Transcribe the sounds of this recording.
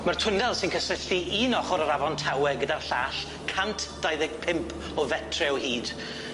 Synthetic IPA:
martʰʊndɛlˠsɪnkʰəsɪɬiinɔχɔɾəɾavɔntʰawɛɡədarɬaːɬ | kʰantʰd̥ajðɪɡ̚pʰɪmpʰ | ɔvɛtʰrɛɔwhiːd̥

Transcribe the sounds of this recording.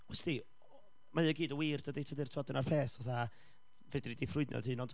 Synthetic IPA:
ɔsti | maəɡiːdəwiːrd̥ədejtʰədɨrtʰɔdɪnarpʰeːsɔθa | vɛdnidifrʊɨdnɛ̰lˠhɨːnɔnd

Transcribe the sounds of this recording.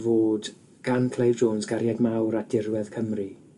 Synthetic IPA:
voːd | ɡ̥ankʰlˠejvdoːnsɡaɾjadmawɾad̥ɪrwɛð̥kʰəmri

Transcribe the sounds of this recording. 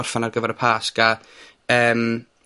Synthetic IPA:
ɔr̥fanarɡəvɛɾəpʰaːska | əːm

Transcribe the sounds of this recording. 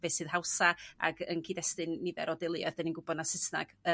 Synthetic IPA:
veːsɨːð̥hawsaa̰ɡə̰nkʰiːdɛstɨnːivɛ̰ɾʔɔdɪlˠjɔ̰ðdəninɡʊbɔdnasɪsna̰ɡ̥ə

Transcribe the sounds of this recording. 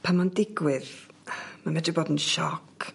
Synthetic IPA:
pʰamandɪɡwɪð | mamɛdɪboːdənʃɔkʰ

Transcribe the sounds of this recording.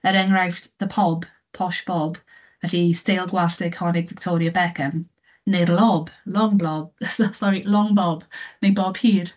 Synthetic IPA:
əɾɛŋɾajfðəpʰɔb | pʰɔʃb̥ɔb | əɬistelˠɡwaɬdekʰɔnɪɡvɪk̚tʰoːɾiəbɛkʰəm | nedlɔblɔŋblɔb̚ssɔɾilɔŋbɔb̥nejbɔb̥hiːr

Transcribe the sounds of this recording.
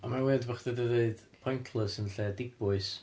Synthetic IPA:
amaweːdbaχdədədeɨd̥pʰɔjntʰlˠəsənɬɛdɪbʊɨs

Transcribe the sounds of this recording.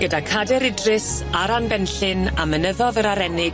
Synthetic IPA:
ɡ̥ədakʰadɛɾɪdrɪs | aɾanbɛnɬɪnamənəðɔðəɾaɾɛnɪɡ

